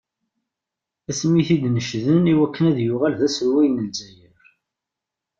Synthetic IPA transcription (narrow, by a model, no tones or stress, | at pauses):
æsmːiθid̪nəʃðəniwækːənæðjʊʁælðæsəɾwæjnəlzæjəɾ